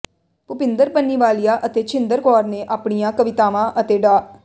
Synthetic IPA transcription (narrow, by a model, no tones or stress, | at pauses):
pʊpɪ̃nd̪əɾpənːiːʋaːlijaːʔət̪eːt͡ʃʰɪ̃nd̪əɾkɔːɾneːʔaːpɳijãːkəʋɪt̪aːʋãːʔət̪eːɖaː